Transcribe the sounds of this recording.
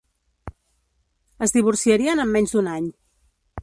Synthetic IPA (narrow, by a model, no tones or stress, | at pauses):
əzðiβ̞uɾsiəɾiənəmːɛɲzd̪unaɲ